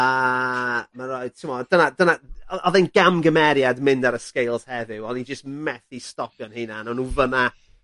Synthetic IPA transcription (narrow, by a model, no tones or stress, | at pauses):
ə | manɔɨd̚tʰumɔdənadənaɔðejnɡ̥amɡəmɛɾjadmɪ̃ndaɾəskejlˠz̥hɛðɪwɔnid͡ʒəstmɛθistɔkjɔnhinanawnuvəna